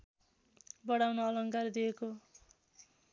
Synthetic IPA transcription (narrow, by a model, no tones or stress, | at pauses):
bʌɽawnoʌlʌŋkard̪ijeko